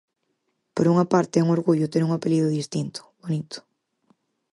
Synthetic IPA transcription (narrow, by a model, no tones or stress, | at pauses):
poɾuŋapaɾt̪ɪɛuŋoɾɣuʎʊt̪eɾuŋapeliðʊðist̪int̪ʊ̥βonit̪ʊ̥